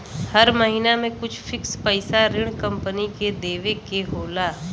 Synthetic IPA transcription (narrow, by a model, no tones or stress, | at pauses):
hɐɾməɦinamẽkʊt͡ʃʰfʰɪkspəɪsaɾɪɽ̃kɐ̃mpəniked̪eːʋekeɦoːlaː